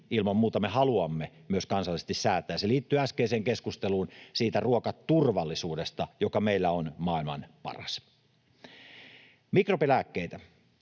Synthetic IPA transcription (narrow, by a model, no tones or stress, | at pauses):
ilmɑmmuːt̪ɑmehɑluɑmːemyøskɑnsɑlːˑisest̪issæːt̪ːˑæːseliːt̪ːyːæskeːseːŋkeskust̪eluːnsiːt̪æruokɑt̪tːurʋɑlːisuːdest̪ɑjokɑmeilːæonmɑːˑilmɑ̰npɑ̰rɑ̰s | mikropelækːeit̪æ